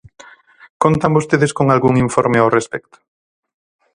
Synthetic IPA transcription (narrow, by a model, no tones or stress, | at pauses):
kont̪ambost̪eðeskoŋalɣuŋiɱfɔɾmeawrespɛkt̪ʊ̥